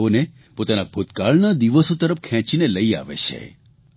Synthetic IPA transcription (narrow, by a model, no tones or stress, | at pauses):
one | pot̪anabʱot̪kaɭnad̪iʋəsot̪əɾəpkʰɛ̃t͡ʃineləia̰ʋḛt͡ʃʰḛ